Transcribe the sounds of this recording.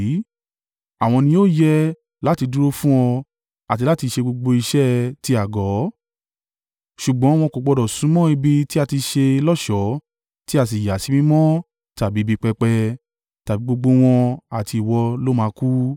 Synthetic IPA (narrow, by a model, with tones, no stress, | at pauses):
a˨w̃ɔ̃˧nĩ˧˦o˦˨jɛ˦ | la˦ti˧du˦ɾo˦fũ˦ɔ̃˧ | a˨t̬i˧la˦ti˧ʃe˧ɡ͡bo˧ɡ͡bo˧i˧ʃɛ˦ti˧a˨ɡɔ˨˦ | ʃu˨ɡ͡bɔ̃˨˦w̃ɔ̃˧ko˨ɡ͡bɔ˧dɔ˨sũ˨˦mɔ̃˦i˧bi˧ti˦a˧ti˧ʃe˧lɔ˦˨ʃɔ˨˦ | ti˦a˦˨s̬i˨ja˨˦si˨˦mĩ˦mɔ̃˦ | ta˨bi˨˦bi˦˧k͡pɛ˧k͡pɛ˧ | ta˨bi˨˦ɡ͡bo˧ɡ͡bo˧w̃ɔ̃˧a˨ti˧i˨wɔ˧lo˦mãː˨˧ku˦